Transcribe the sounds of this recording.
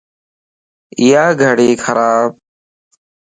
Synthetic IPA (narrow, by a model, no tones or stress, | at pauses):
ɪjaːɡʱəɽeːkʰəɾaːb̚